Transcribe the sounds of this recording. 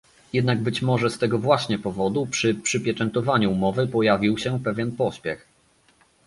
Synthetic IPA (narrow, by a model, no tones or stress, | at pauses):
jɛd̪naɡbɘt͡ɕmɔʐɛst̪ɛɡɔvwaɕɲɛpɔvɔd̪upʂɘpʂɘpʲjɛt͡ʂɛnt̪ɔvaɲuːmɔvɘpɔjavʲiwɕɛpɛvʲjɛnpɔɕpʲjɛx